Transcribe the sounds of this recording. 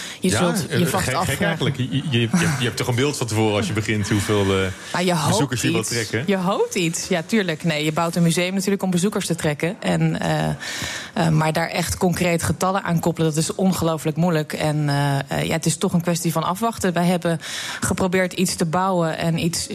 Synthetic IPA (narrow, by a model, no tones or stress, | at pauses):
jəzɵlˠjəvɑtɑləəjjəɛp̚tɔχə̃mbɪːlˠtfɑ̃ntəvoːɾəɑsjəbəχɪntɦuvɪːlˠə | najəɦozukəsjəʋɪlˠtrɛkəjəɦowp̚titsjatyːɹləknejjəbawtənmyzejəmnatyːɹləkɔmbəzukəɹstətrɛkəʔɛnə̰ | əmaːɹdaːɹʔɛχtkɔŋkrejtə̥χətɑlənʔa̰ːnkɔpələdɑtɪsɔnχəlowfləkmujləkɛnja̰ətɪstɔχənkʋɛstivɑnɑ̰fʋɑχtəʋɛjɦɛbəχəprowbɪːɹtitstəbawəʔɛ̰nits